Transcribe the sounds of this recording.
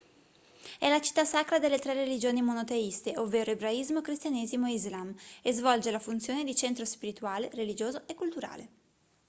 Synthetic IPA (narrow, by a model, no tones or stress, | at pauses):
ɛlat͡ʃi̥t̪ːasakɾad̪elːet̪ɾɛrelid͡ʒoːnimonot̪eist̪eʔovːeːɾoebɾaizmokɾist̪janeːzimoeizlamezvɔld͡ʒelafunt̪sjoːned̪it͡ʃent̪ɾospiɾit̪uaːlerelid͡ʒoːzoʔekːult̪uɾa̰ːle